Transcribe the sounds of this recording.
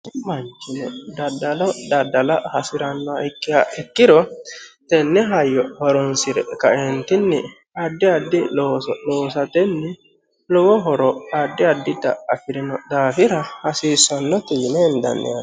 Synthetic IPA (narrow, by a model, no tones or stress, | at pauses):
mɐnt͡ʃːɪnɔd̪ɐd̪ːɐlɔd̪ɐd̪ːɐlɐhɐsɪɾɐnːɔɪkːɪaɛkːɪɾɔt̪ɛnːɛɦɐjːɔhɔɾɔnsɪɾɛkɐʔɛnt̪ɪnːɪ | ɐd̪ːɪɐd̪ːɪloːsloːsɐt̪ɛnːɪ | lɔwɔɦɔɾɔɐd̪ːɪɐd̪ːɪd̪ɐ̰ɐfɪɾɪnɔd̪aːfɪɾɐhɐsiːsɔnːɔt̪iːnɛːnd̪ɐ̰nːɛ̰